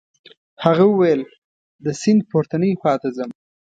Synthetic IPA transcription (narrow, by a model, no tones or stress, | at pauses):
haɣawʊwajəl | d̪əsɪnd̪̚poɾt̪anəjxɑt̪azəm